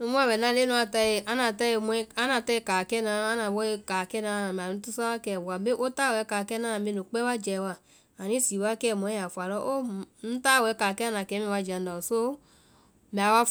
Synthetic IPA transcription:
nu˧mũ˦a˦˨bɛ˨nã˨˦le˦nũ˧˦a˧ta˧e˧˨ʔa˦nã˨ta˦e˧mũ˧˦ɛ˦a˦nã˨˧˨tɛ˧˦ka˨kɛ˦nã˧a˦nã˨bo˦e˧ka˨kɛ˦nã˧˦˧a˨mɛ˨ũ˨˦tu˦sa˦a˦kɛ˦˨bo˨a˨be˦ʔo˦ta˦˨wɛ˨˦ka˨kɛ˦nã˦ã˨me˧nũ˨k͡pɛ˦wa˦d͡ʒɛ˨wa˨ | a˨nĩ˦si˨wa˦kɛ˦˨mɔ̃˨˦ɛ˦ja˨fu˨a˨lɔ˦ʔo˦n̩˦ta˦˨wɛ˧˦ka˨kɛ˦a˦nã˨kɛ˨˦mĩ˦˨wa˧˨d͡ʒa˨n˦da˨so˦ | mɛ˨a˨wa˦f

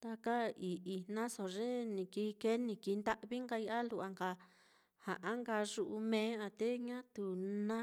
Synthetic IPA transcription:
t̪a˧ka˦i˨ʔi˨nã˦so˨ʐe˦nĩ˨ki˧ke˦nĩ˧ki˧nd̪a˦ʔβi˦ŋɡa˧i˧ʔa˦lu˧ʔa˧ŋɡa˧ | ha˨ʔã˦ŋɡa˧ʐu˧ʔu˧mẽ˧˦a˧t̪e˦ɲã˦t̪u˨nã˦

